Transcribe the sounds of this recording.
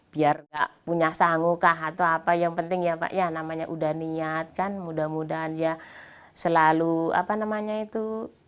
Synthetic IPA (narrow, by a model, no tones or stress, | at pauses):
b̥iarɡa̰ʔpuɲasaŋukaɦat̪awapajaŋpənt̪ɪŋjapa̰ʔjanamaɲaʔudahniat̪̚kanmudahmudaɦandia | səlalua̰panamaɲait̪u